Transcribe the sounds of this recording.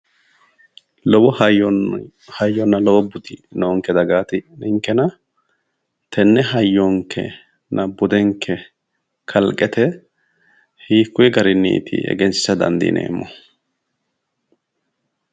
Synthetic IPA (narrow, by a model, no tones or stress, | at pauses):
lɔwɔ | hɐjːɔnːɐlɔwɔbʊt̪ɪnoːŋkɛd̪ɐɡaːt̪ɪnʔɪŋkːɛnɐ | t̪ʰɛnːɛɦɐjːɔŋkʰːɛ̰ | nʔɐbʊd̪ɛŋkʰːɛ | kʰɐlkʼːɛt̪ʰɛ | hiːkːʊjɛɡɐɾɪnːḭːt̪ʰɪ̰ɛ̰ɡɛnsɪ̥sɐd̪ɐ̰nd̪ḭːnʔḛːmːɔ